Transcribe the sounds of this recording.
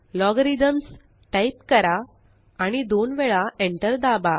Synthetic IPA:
lɔɡɾid̪əms | ʈaipkəɾa | aɽ̃id̪onʋɛɭaeɳʈəɾd̪aba

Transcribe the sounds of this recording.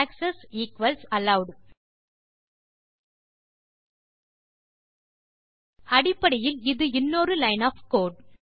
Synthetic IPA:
aːksɐsiːkʋɐlsɐlɐʊɖ | ɐɽɪpːɐɽɐjɪlɪðɯɪnːoːɾɯlɐɪnaːfkoːɖ

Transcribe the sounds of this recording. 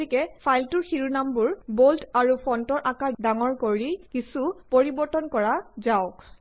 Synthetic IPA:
ikɛpʰajltʊɹxiɹunambuɹboltaɹupʰɔntɔɹʔakadaŋɔɹkoɹikisupoɹibɔɹtɔnkɔɹazaʊk

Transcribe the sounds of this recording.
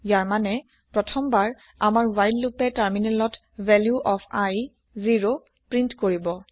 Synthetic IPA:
jaɹmanɛ | pɹɔtʰɔmbaɹ | amaɹwajdlupɛtaɹminɛlɔt | vɛljuʔɔpʰaj | ziɹo | pɹintkoɹibɔ

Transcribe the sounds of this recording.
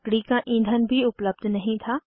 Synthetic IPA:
kɽikaʔĩːnd̪ʱənbʱiʊpləb̚d̪ʱnɐɦĩt̪ʰaː

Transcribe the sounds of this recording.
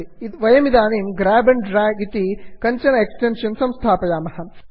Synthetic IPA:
it̪ʋɐjɐmid̪aːniːmɡɾaːbɐnɖɾaːɡit̪ikɐɲt͡ʃɐnɐeksʈenʃɐnsɐmst̪ʰaːpɐjaːmɐhɐ

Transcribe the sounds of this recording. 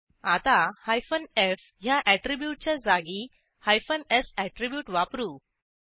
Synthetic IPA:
at̪ahajfənef | ɦjãʔæʈɾibjuːʈ̚t͡ɕad͡zaɡi | hajfənesæʈɾibjuːʈʋapɾu

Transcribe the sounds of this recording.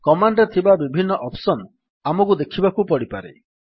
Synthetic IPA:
kɔmaɳɖet̪ʰibabibʱinːɔʔɔpsɔn | amɔkud̪ekʰibakupɔɽipaɾḛ

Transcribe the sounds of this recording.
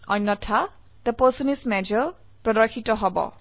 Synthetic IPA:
ɔ̰nːɔtʰa | d̪̥əpəsɔnismɛd͡ʒɔ | pɾɔdɔkʰitɔɦɔbɔ̰

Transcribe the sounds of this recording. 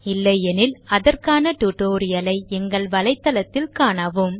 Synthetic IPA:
ɪlːɐjɛnɪlɐðɐrkaːnɐʈ̪uʈoːɾɪjɐlɐɪɛŋɡɐɭʋɐlɐɪt̪ːɐlɐt̪ːɪlkaːɳɐʋɯm

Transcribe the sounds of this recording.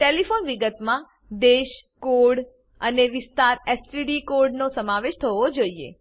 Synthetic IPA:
ʈelifonʋiɡət̪mã | d̪eʃkoɾɽ | əneʋɪst̪aɾesʈiɖikoɾɖnosəmaʋeʃt̪ʰəʋod͡ʒoiḛ

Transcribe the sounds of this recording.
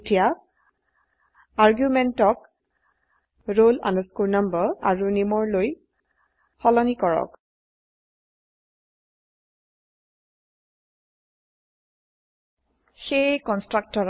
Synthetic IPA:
tʰija | aɹɡjumɛntɔk | ɹola̰nuskuɹnambɔaɹunimɔɹloj | xɔlɔnikɔɹɔ̰k | xejkɔnstɹak̚tɔɹ

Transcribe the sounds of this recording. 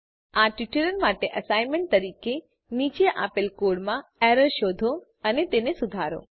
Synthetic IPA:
aʈiʈeɾənmaʈeʔəsajnmeɳʈ̚t̪əɾike | nit͡ʃeʔa̰pelkoɽmãɛɾəɾʃod̪ʱo | ənet̪enesud̪ʱaɾo̰

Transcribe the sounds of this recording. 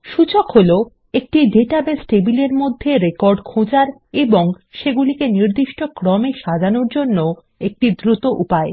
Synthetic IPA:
ʃut͡ɕokɦolo | ek̚ʈiɖeʈabesʈebileɾmod̪ʱːeɾekoɾɖkʰõd͡ʑaɾeboŋ | ʃeɡulikeniɾd̪iʃʈokɾɔmeʃad͡ʑanoɾd͡ʑonːo | ek̚ʈid̪ɾut̪oʔupae

